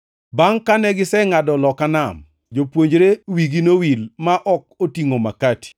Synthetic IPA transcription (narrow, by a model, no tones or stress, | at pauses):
baŋkanɛɡɪsɛŋadɔlɔkanam | d͡ʒopwoɲd͡ʒɾewiɡinowilmaʔɔk̚otiŋomakati̥